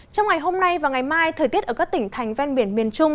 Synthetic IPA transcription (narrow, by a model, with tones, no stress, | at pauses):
t͡ɕɔ˧wŋ͡mŋa˨˩jɦo˧mna˧jvaː˨˩ŋa˨˩jmaː˧jt̪ʰəː˨˩t̪i˦˥ətʔəː˧˩kaː˦˥k̚t̪ï˧˩ŋ̟t̪ʰa˨˩jŋ̟vɛ˧nɓi˧˩ənmi˨˩ənt͡ɕʊ˧ŋ͡m